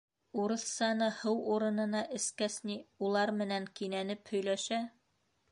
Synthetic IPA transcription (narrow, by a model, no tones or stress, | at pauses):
uɾɤθsɑnɤhɤwuɾɤ̆nɤ̆nɑʔɘ̆skæsniulˠɑɾmɘ̆næŋkinænɘphɵ̆jlæʃæ